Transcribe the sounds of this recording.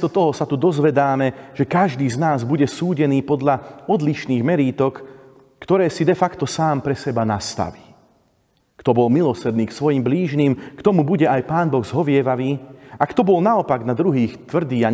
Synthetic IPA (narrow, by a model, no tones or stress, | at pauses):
st̪ɔt̪ɔɦɔsat̪ud̪ɔzʋɛd̪aːmɛʒ̥ɛkaʒd̪iːznaːzbuɟɛsuːɟɛniːpɔd̪ʎaɔd̪liʃniːɣmɛɾiːt̪ɔkː | t̪ɔɾɛːsid̪ɛfakt̪ɔsaːmpɾɛsɛbanast̪a̰ʋiː | kt̪ɔbɔlmilɔsɛd̪niːksʋɔjimbliːʒniːmkt̪ɔmubuɟɛajpaːnbɔɣzɦɔʋɪɛʋaʋiːakt̪ɔbɔlnaɔpaɡnad̪ɾuɦiːxt̪ʋr̩d̪iːa